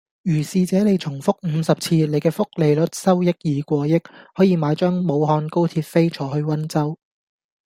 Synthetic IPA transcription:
jyː˨˩siː˨˧t͡sɛː˨˥ne˨˧jt͡sʰʊ˨˩ŋfʊ˥k̚m̩ː˨˧sɐ˨p̚t͡sʰiː˧le˨jkɛː˧fʊ˥k̚le˨˧jlɵ˨˥t̚sɐ˥wjɪ˥k̚jiː˨˧kʷɔː˧jɪ˥k̚hɔː˨˥jiː˨˧maː˨˧jt͡ʃœː˥ŋmo˨˧wɦɔː˧nko˥wt̪ʰiː˧t̚fe˥jt͡ʃʰɔː˨˥hɵ˧ɥwɐ˥nt͡sɐ˥w

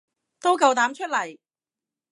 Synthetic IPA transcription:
t̪o˥wkɐ˧wt̪aː˨˥mt͡ʃʰɵ˥t̚lɐ˨˩j

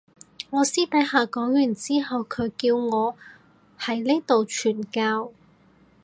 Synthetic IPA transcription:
ŋɔː˨˧siː˥t̪ɐ˨˥jhaː˨kɔː˨˥ŋjyː˨˩nt͡siː˥ɦɐ˨wkʰɵ˨˧ɥkiː˧wŋɔː˨˧ | hɐ˨˥jle˥t̪o˨wt͡ʃʰyː˨˩nkaː˧w

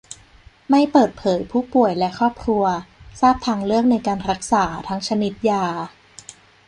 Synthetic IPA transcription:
ma˥˩jpɤː˨˩t̪̚pʰɤː˩˦jpʰuː˥˩pu˨˩əjlɛ˦˥ʔkʰɾɔː˥˩p̚kʰɾu˧ɐsaː˥˩p̚t̪ʰaː˧ŋɾɯ˥˩ək̚na˧jkaː˧nɾa˦˥k̚saː˩˦t̪ʰa˦˥ŋt͡ɕʰa˧ni˦˥t̪̚jaː˧˩

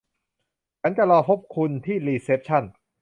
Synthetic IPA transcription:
t͡ɕʰa˦˥nka˧˩ɾɔː˧pʰo˦˥p̚kʰu˧nt̪ʰiː˥˩liː˧seː˦˥p̚t͡ɕʰa˥˩n

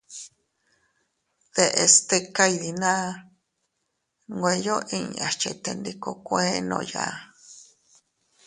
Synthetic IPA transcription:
ðe˨ʔe˨st̪e˧ka˧iði˨nã˦ | ŋɡʷe˧jo˦ʔĩ˧a˨t͡ʃe˧t̪e˧nd̪i˧ko˧kʷe˦nõ̰˧ja̰˧˨

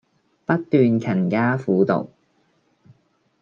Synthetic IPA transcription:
pɐ˥t̚t̪ːyː˨˧nkʰɐ˨˩nkaː˥fuː˨˥˦t̪o̰˨˩w

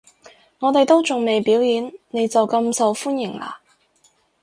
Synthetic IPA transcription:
ŋɔː˨˧t̪e˨jt̪o˥wt͡sʊ˨ŋme˨jpiː˨˥wjiː˨˥nne˨˧jt͡sɐ˨wkɐ˧msɐ˨wfuː˥njɪ˨˩ŋla̰ː˧

